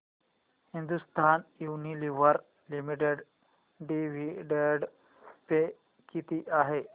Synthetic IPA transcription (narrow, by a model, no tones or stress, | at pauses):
hĩnd̪ust̪aːnjuːniliʋəɾ | limiʈeɖ | ɖiʋiɖeɖ | pe | kit̪iʔaɦe